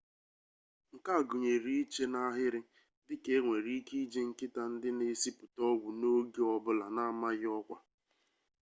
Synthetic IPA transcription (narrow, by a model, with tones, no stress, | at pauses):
ŋ̩˨ka˦a˨ɡʊ˨ɲe˨ɾi˦i˦t͡ʃe˦na˦ɦɪ˦ɾɪ˦ | dɪ˦ke˦ŋʷe˨ɾi˦i˦ki˦d͡ʒe˦ŋ̩˨kɪ˦ta˨n̩˦dɪ˦ne˦si˦pʊ˨tɔ˦wu˨no˦ɡi˦ɔ˦bʊ˦la˨na˦a˦ma˦ɣɪ˦ɔ˦kʷa˨